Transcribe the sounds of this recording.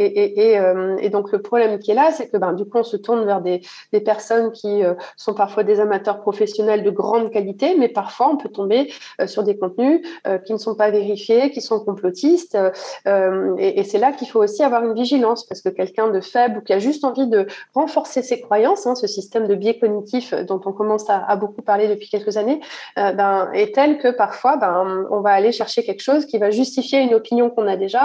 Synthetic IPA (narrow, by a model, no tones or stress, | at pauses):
eʔeʔeømḛd̪ɔ̃kləpχɔblɛmkʲiɛlasɛkəbɛ̃d̪ykuɔ̃sət̪uʁnvɛʁd̪e | d̪̥epɛʁsɔnkʲiøsɔ̃paʁfwad̪ezamat̪œʁpχɔfɛsjɔnɛld̪əɡʁɑ̃d̪kalit̪emɛpaʁfwaɔ̃pøt̪ɔ̃beøsyʁd̪ekɔ̃t̪nyøkʲinəsɔ̃paveʁifjekʲisɔ̃kɔ̃plɔt̪ʰist̪øømeʔesɛlakilfoosiavwaʁynviʒilɑ̃spaʁsə̥kəkʲɛlkʲɛ̃d̪əfɛblukʲiaʒyst̪ɑ̃vid̪əʁɑ̃fɔʁsesekχwajɑ̃sɛ̃səsist̪ɛmd̪əbjɛkɔnit̪ʰifd̪ɔ̃t̪ɔ̃kɔmɑ̃saa̰bokupaʁled̪əpɥikʲɛlkəzaneøbɛ̃ɛt̪ɛlkəpaʁfwabɛ̃ɔ̰̃vaːleʃɛʁʃekʲɛlkə̥ʃozkʲivaʒyst̪ifjeynɔpinjɔ̃kɔ̃nad̪eʒa